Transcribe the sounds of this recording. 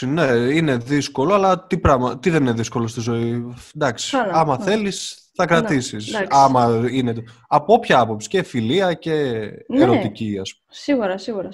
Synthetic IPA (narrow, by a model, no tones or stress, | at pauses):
ine̞ine̞ðisko̞lo̞ɐlɐt̪ipɾɐɣmɐt̪iðe̞nine̞ðisko̞lost̪izo̞id̪ɐksi̥ɐmɐθe̞lis | θɐkɾɐt̪isisɐmɐinet̪ | ɐpoopçɐɐpo̞psi̥cefiliɐce̞ːɾo̞t̪iciɐspumsiɣuɾɐsiɣuɾ